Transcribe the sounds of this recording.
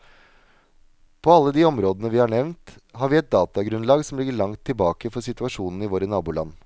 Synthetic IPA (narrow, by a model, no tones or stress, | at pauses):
pʰɔɑlːəd̪iːɔmɾoːd̪ənəʋɪhɑɳɛʋnt̪hɑːɾʋɪːɛt̪̚d̪ɑːt̪ɑɡɾʉnlɑːɡsɔmlɪɡːəɭɑŋt̪ʰːɪlbɑːkəfɔsɪt̪ʉɑʂuːnn̩ɪʋoːɾənɑːbuːlɑ̰nː